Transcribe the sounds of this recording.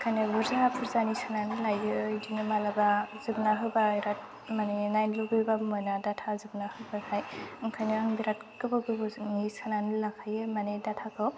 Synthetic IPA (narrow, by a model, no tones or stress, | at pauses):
kʰajnɯbɯɾzapʰɯɾzanisananɯlajɯdinɯmalabazɯbnaɦɯbaɾat̚ | manenajnluɡɯbamɯnadatʰazɯbnahɯbahʰajɯŋkʰajnɯaŋbiɾatkɯbɯɡɯbɯnisananɯlakʰajɯmanedatʰakʰɯ